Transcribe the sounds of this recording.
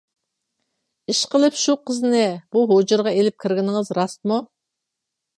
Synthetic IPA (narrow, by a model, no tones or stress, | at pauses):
iʃqəlˠɨpʃuqʰəznɪb̥uɦod͡ʒɨɾʁɑelɪp̚kʲʰiɾɡʲɪnɪŋɨzɾɑst̪mu